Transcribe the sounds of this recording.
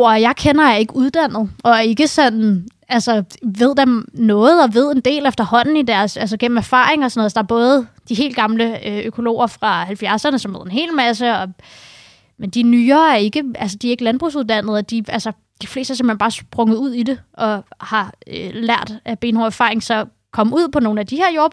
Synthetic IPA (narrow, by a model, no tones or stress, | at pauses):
ɐjɑ̈ɪkʰenɐjɑe̝ɡ̥əuðˠd̥æn̰ð̞̩ˠʔɒ̽æɐe̝ɡ̥əsɒn̰ | ælsɒʋe̝ð̞̰ˠd̥emnɔ̽ːð̞̩ˠɒ̽ʋe̝ð̞̰ˠe̝nd̥e̝̰ːlefd̥ɐhɒ̽n̰n̩id̥æɐsælsəɡ̥en̰m̩æɐfɑ̰̈ːeŋɒsɒnɔðˠsɒ̥d̥ɑ̈ɐb̥ɔ̽ːð̞̩ˠd̥iɦe̝̰ːld̥̚ɡ̥ɑ̈mləøøkʰo̝lo̝̰ːɐfʁɑ̈hælfjæɐsɐnəsɒ̽mʋeð̰ˠe̝nɦe̝̰ːlmæs̬əɒ̽ | mend̥inyːɐːæɐe̝ɡ̥əælsəd̥iæɐe̝ɡ̥əlænb̥ʁṵːs̬uðˠd̥æn̰ð̞̩ˠɒd̥iælsə | d̥ifle̝ːsd̥æsemhenb̥ɑ̈ːsb̥ʁɔ̽ŋð̞̩ˠuð̰ˠid̥e̝ʔɒ̽hɑ̈ølæɐ̰d̥æb̥e̝ːnhɒæɐfɑ̈ːeŋsɒ̽ | kʰɒ̽muð̰ˠpʰɒ̽no̝ːn̩æd̥iheɐjo̝ɐb